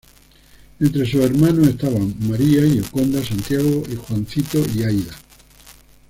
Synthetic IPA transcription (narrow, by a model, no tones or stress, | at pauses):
ent̪ɾe̞sue̞ɾmãnoe̞st̪aβaŋmaɾiaiʎokond̪asant̪jaɣoixwanθit̪oiajða